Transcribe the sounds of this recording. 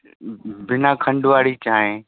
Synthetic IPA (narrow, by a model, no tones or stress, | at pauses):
bɪnakʰɐ̃ɳɖʊʋaːɽit͡ɕaːɦẽ